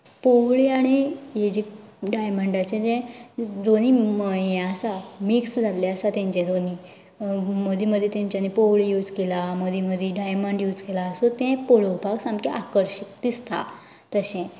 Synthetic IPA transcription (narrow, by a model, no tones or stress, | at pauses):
powɭiaɽ̃ijed͡ʑik̚ɖajməɳɖat͡ɕẽd͡z̪ɛ̃d͡zoniməjẽəsamiksd͡zʱaleasat̪ẽɲt͡ɕẽd͡z̪oni | məd̪ʱiməd̪ʱːjet̪jãɲt͡ɕjanipowɭijud͡zkelaməd̪ʱiməd̪ʱjeɖajməɳɖjuːd͡zkelaəsot̪ɛ̃poɭowpaɡsãmkeʔakəɾɕik̚d̪ist̪a̰ | t̪əɕɛ̃